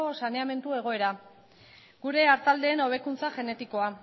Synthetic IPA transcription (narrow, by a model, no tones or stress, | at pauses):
osane̞ame̞nt̪ue̞ɣ̞o̞e̞ɾa | ɡuɾe̞aɾt̪ald̪e̞ːno̞β̞e̞kunt͡saʝe̞ne̞t̪iko̞a